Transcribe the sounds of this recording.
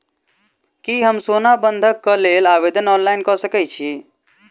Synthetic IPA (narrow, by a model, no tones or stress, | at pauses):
kiɦəmsonabənd̪ʱəkːəlelaʋed̪ənɔnlaɪnkɔsəkɛt͡ʃʰi